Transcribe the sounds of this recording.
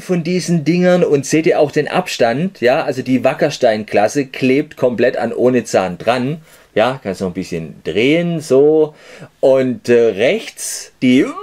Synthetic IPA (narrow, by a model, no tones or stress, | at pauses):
fɔndiːzn̩dɪŋɐnʊntz̥eːdiːɐʔaʊxd̥eːnʔa̰pʃtantjaːʔalzodiːvakɐʃtaɪnkʰlasəkʰleːp̚tkʰɔmplɛta̰nʔoːnət͡sa̰ːnd̥ʁan | jaːkʰanstnɔχn̩bɪsçənd̥ʁeːənzoː | ʔʊntɛːʁɛçt͡sd̥iː